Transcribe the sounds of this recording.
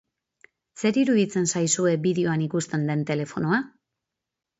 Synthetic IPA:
se̞ɾiɾuðit͡se̞nsajsue̞biðeo̞anikust̪e̞nd̪e̞nt̪e̞le̞fo̞noa

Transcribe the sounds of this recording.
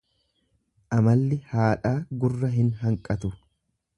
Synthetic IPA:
ʔɐmɐlːɪhaːᶑaːɡʊrːɐɦɪnɦɐŋkʼɐt̪ʊ

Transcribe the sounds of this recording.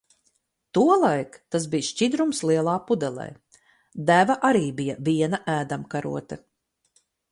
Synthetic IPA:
t̪uɔlˠajkt̪as̬bijʃt͡ʃid̪ɾumslˠiɛlˠaːpud̪ɛlˠɛ̰j | d̪ævaʔaɾiːbijaviɛnaʔæːd̪amkaɾṵɔt̪ɐ

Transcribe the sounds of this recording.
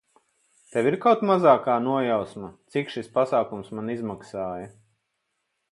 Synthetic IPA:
t̪ɛwiɾkawt̪mazaːkaːnuɔjawsmat̪sikʃispasaːkumsmanizmaksaːjɐ

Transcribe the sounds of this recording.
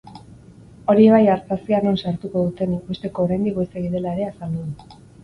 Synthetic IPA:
o̞ɾie̞βajaɾt͡sasiano̞nsaɾt̪uko̞ðut̪e̞nikbest̪e̞ko̞ːɾajnd̪ikoeseɣiðe̞laeɾe̞asald̪uðu

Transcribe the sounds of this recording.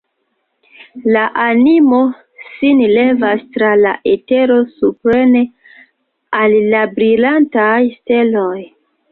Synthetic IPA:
laʔanimo̞ | sinle̞vastɾala̰ʔete̞ɾo̞supɾe̞ne̞ | alːabɾilantajste̞lo̞j

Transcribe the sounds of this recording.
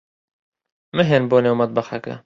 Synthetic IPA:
mɨɦenboːnewmɐt̪̚bɐxɛkɐ̰

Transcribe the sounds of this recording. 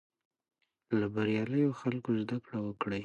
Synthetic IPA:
labaɾjɑləjoxalkozd̪akɽawəkɽəj

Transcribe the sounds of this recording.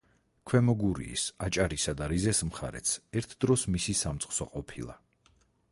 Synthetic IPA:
kʰwɛmɔɡuɾḭːsat͡ʃʼaɾisad̪aɾizɛsmχa̰ɾɛ̰t̪sʰɛɾt̪ʰd̪ɾɔsmisisamt̪sʼqχsɔqʼɔpʰilˠa̰

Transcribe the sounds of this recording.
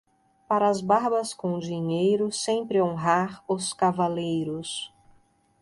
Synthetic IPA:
paɾɐːzbaɾbɐskõd͡ʒiɲejɾʊsẽpɾɪõɦaɾʊskavalejɾʊs

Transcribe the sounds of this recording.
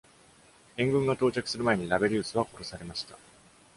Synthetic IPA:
ẽ̞ŋɡɯ̟̃ŋɡat̪o̞ːt͡ɕakɯ̟̥sɨɾɯ̟mae̞ɲ̟iɾabe̞ɾʲɯːsɨβako̞ɾo̞saɾe̞maɕi̥t̪a

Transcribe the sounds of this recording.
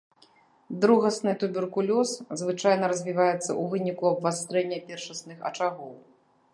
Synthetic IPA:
d̪ɾuɣɐsnɨt̪ubʲɛrkulʲɔszvɨt͡ʂajn̪ɐɾɐzʲvʲivajɛt̪sːɐ̰ʔuvɨnʲikuɐbvast̪ɾɛnʲːɐpʲɛrʂɐsnɨxɐ̰t͡ʂaɣɔw

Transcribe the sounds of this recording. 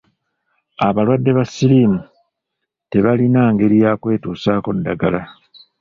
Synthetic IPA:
aβalwadːe̞βasːiliːmu | te̞βalinaːŋɡe̞ɾijaːkwe̞ːtuːsaːko̞ddːaɡala

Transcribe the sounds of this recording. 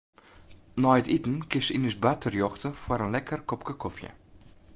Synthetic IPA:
nɔjətitn̩kɪsinəsbatʰərjɔxtəfwɔɾənlɛkərkɔpkəkʰɔfjə̰

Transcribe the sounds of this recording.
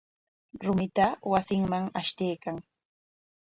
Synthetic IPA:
ɾʊmɪt̪awasɪŋmaŋaʃt̪ejkaŋ

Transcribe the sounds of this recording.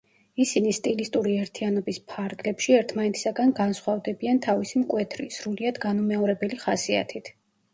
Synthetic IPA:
isinist̪ʼilist̪ʼuɾiɛɾt̪ʰianɔbispʰaɾɡlɛpʃiɛɾt̪ʰmanɛt̪ʰi̥saɡanɡansχwavd̪ɛbiant̪ʰavisimkʼwɛt̪ʰɾisɾuliad̪ɡanumɛɔɾɛbɛliχasia̰t̪ʰit̪ʰ

